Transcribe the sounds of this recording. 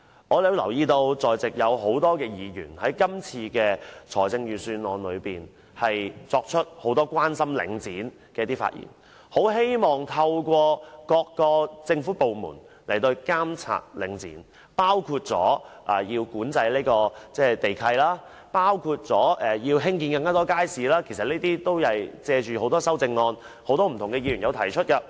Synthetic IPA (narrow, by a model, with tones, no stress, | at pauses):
ŋɔː˨˧t̪e˨˧˥wlɐ˨˩wjiː˧t̪o˧wt͡sɔː˨jt͡sɪ˨k̚jɐ˨˧wɦo˨˥wt̪ɔː˥kɛː˧jiː˨˧jy̰ː˨˩nhɐ˨˥jkɐ˥mt͡sʰiː˧kɛː˧t͡sʰɔː˨˩jt͡sɪ˧ŋjyː˨˩syː˧nlɔː˨˧nlɵ̰˨˧ɥpiː˨n | hɐ˨jt͡sɔː˧k̚t͡ʃʰɵ˥t̚ho˨˥wt̪ɔː˥kʷwaː˥nsɐ˥mlɪ̰˨˧˥ŋt͡siː˨˥n | kɛː˧˥t̪iː˥fa̰ː˧t̚jḭː˨˩n | ho˨˥wɦe˥jmɔː˨˩ŋt̪ʰɐ˧wkʷɔː˧kɔː˧kːɔː˧t͡sɪ˧ŋfu˨˥po˨wmṵː˨˩n | le˨˩jt̪o˧wkaː˥mt͡sʰa̰ː˧t̚lɪ̰˨˥ŋt͡sḭː˨˥n | paː˥wkʰuː˧t̚t͡sɔ̰ː˨˥ʔaː˨˩jiː˧wkuː˨˥nt͡sɐ˧jleː˥kɔː˧t͡sɛː˥˩t̪e˨jkʰɐ˧jlaː˥ | paː˥wkʰuː˧t̚t͡sɔː˨˥ʔɛ˨jiː˧wɦɪ˥ŋk̬iː˧nkɐ˧ŋkaː˥t̪ɔː˥kaː˥jsiː˨laː˥kʰe˨˩js̬ɐ˨t̚neː˥t̪iː˥t̪o˥wjɐ˨jt͡sɛː˧t͡ʃyː˨ho˨˥wt̪ɔː˥sɐ˥wt͡sɪ˧ŋːɔː˧n | ho˨˥wt̪ɔː˥m̩˨˩t̪ʰʊ˨˩ŋkɛ˧jiː˧ɥy˨˩njɐ˨˧wt̪ʰɐ˨˩jt͡ʃʰɵ˥t̚kɐ˧